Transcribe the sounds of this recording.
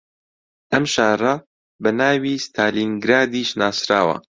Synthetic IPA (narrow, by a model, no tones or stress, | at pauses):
ʔɐmʃaːrɐ | bɐnaːwiːst̪ʰaːliːnɡɾaːd̪iːʃnaːsɾa̰ːwɐ̰